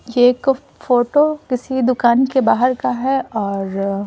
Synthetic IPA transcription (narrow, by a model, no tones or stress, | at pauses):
jeːk | foːʈokɪsid̪ʊkaːnkebaːɦəɾkaɦɛɔːɾ